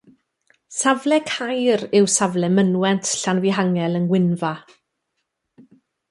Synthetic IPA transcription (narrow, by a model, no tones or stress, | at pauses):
savlɛkʰajɾɪwsavlɛmənwɛntʰɬanviɦaŋɛlˠənwɪnva